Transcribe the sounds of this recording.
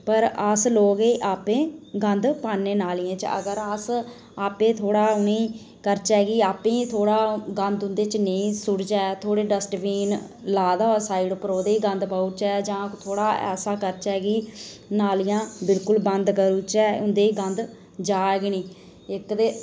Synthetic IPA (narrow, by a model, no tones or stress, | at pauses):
pəɾəsloːɡeːʔaːpẽːɡə̃nd̪paːnːeːnaːlijẽːt͡ʃə̰ɡəɾəs | aːpẽːt̪ʰoːɽaːʊnĩː | kəɾt͡ʃɛːɡiːaːpẽːt̪ʰoːɽaːɡə̃nd̪ʊnd̪eːt͡ʃnəĩːsʊɽt͡ʃɛːt̪ʰoːɽeːɖəsʈʋiːn | laːd̪aːsaːiːɖpəɾoːd̪eːiːɡə̃nd̪paːut͡ʃɛːd͡ʒãːt̪ʰoːɽaːɛ̰ːsaːkəɾt͡ʃɛːɡiːnaːlijãːbɪlkʊlbənd̪kəɾuːt͡ʃɛːʊnd̪eːiɡənd̪ | d͡ʒaːɡnĩː | ɪkd̪eː